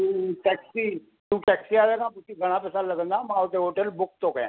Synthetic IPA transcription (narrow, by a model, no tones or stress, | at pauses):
ʈɛːksiː | t̪ũːʈɛːksiːaːd̪eːkãːt̪ʊsĩːɡʱəɽ̃ãːpɛːsaːləɡə̃nd̪aːmãːʊt̪eɦoːʈəlbʊk̚t̪õːkɛ̃ː